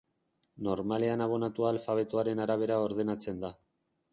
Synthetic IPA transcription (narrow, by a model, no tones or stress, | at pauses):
no̞ɾmale̞anaβ̞o̞nat̪uaːlfaβ̞e̞t̪oaɾe̞naɾaβ̞e̞ɾao̞ɾð̞e̞nat͡se̞nd̪a